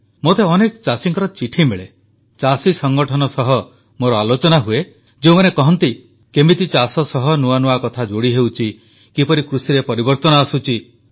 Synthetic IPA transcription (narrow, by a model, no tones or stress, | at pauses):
mot̪eɔnekɔt͡ʃasiŋkɔɾɔt͡ʃiʈʰimeɭe | t͡ʃasisɔŋɡɔʈʰɔnɔsɔɦɔ | moɾɔalot͡ʃɔnaɦue | d͡ʒeũmanekɔɦɔnt̪i | kemit̪it͡ʃasɔsɔɦɔnuanuakɔt̪ʰad͡ʒoɽiɦewt͡ʃʰi | kipɔɾikɾusiɾepɔɾibɔɾt̪ɔnɔasut͡ʃʰi